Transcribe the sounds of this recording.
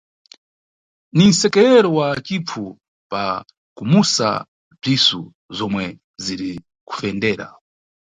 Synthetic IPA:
nin̩sɛkɛɾɛɾɔwat͡ʃip͡fʰu | pa̰ | kumusa̰ | b͡ʐisu | zɔmwɛ | ziɾi | ku̥fɛndɛːɾa̰

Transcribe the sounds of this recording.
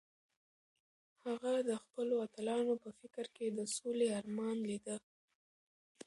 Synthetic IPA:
haɣad̪əxpəloat̪alɑnopəfɪkɾked̪əsoleɑɾmɑnlid̪ə

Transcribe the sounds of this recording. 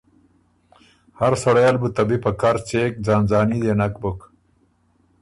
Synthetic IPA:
haɾsɐɽajalbut̪ɐbipɐkaɾt͡seːk̚d͡zaːnzaːnid̪enɐkbuk

